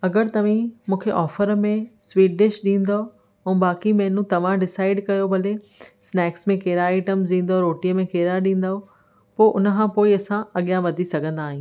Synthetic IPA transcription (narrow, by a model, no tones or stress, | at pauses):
ɐɡəɾt̪ɐʋ̤ĩmũːkʰeʔɔːfəɾmẽswiːʈɖɪʃɗĩːn̆d̪o | ɛ̃ːbaːkimɛ̃ɦːnũt̪ɐʋ̤ãɖɪsaːɪɖkɐjobʱɐle | snɛːksmẽkeːɾaɪːʈəmzĩːn̆d̪oɾoːʈiəmẽkeːɾaɗĩːn̆d̪aːo | poːʔʊnə̆kʰãpoːiɐsãɐɠijãʋɐd̪ʱisɐɡʱə̃nd̪aːɦĩː